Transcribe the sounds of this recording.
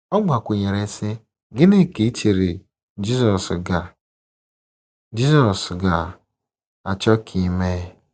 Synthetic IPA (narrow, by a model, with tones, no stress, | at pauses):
ɔ˦ɡ͡ba˨kʷu˨ɲe˨ɾe˨˦sɪ˦ | ɡɪ˦ne˦˨ke˨i˦t͡ʃe˨ɾe˨ | d͡ʒi˦sɔ˨sɡa˨ | d͡ʒi˦zɔ˨sɡa˨ | a˨t͡ʃɔ˦kʰi˦˨˦me˦